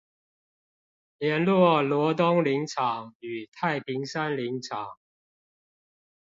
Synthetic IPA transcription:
ljɛ˧˥nlwɔ˥˩lwɔ˧˥t̪ʊ˥ŋli˧˥ŋʈ͡ʂʰɑ˨˩˦ŋy˨˩t̪ʰa˥˩ɪpʰi˧˥ŋsa˥nli˧˥ŋt͡sʰɑ˨˩˦ŋ

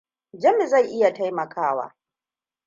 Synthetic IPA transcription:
d͡ʒɐ˦mɪ˨za˦˨jʔɪ˦ja˨ta˦jmɐ˨kʰaː˦wa̰ː˦

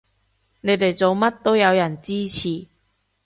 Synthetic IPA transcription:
le˨˧t̪e˨˩t͡so˨˧˦ma˦˥t̚t̪ːo˥ja˨˧˦wja˨˩nt͡ɕiː˦t͡ɕʰi˨˩

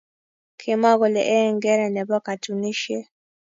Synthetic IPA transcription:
kʰi˨ma˦ɣɔ˨lɛ˨ʔɛ˦˨ŋɡɛ˦ɾɛ˨nɛ˨ba˦ka˨tu˨ni˦ʃɛ˦

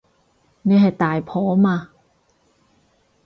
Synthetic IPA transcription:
ne˧˥˦ɦa˨˩t̪aː˨˩jpʰɔː˨˦ma˧˨

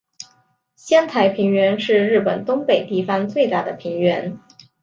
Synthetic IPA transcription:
ɕjɛ˥nt̪ʰa˧˥ɪpʰi˧˥ŋɥɛ˧˥nʂɻ̩˥˧ɻɻ̩˥˩pə˨˩nt̪ʊ˥ŋpe˨˩ɪt̪i˥˩fa˥ŋt͡swe˥˧ɪt̪a˥˩d̪ə˩pʰi˧˥ŋɥɛ˧˥n

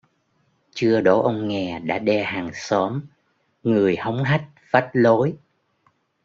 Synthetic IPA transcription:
t͡ɕɨ˧əɗo˨˦ʔə˧wŋ͡mŋɛ˨˩ɗa̰ː˧˥ɗɛ˧haː˨˩ŋsɔ˨˦m | ŋɨ˨˩əjhə˨˦wŋ͡mɦa˦˥jk̚fa˦˥t̚lo˨˦j

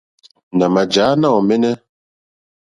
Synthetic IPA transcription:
na˨ma˨d͡ʒaː˨˦na˦˨ɔ˨mɛ˦nɛ˦

